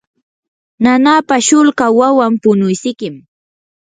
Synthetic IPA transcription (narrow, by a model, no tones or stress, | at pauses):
nanapaʃʊlkawawampʊnʊjsɪkɪm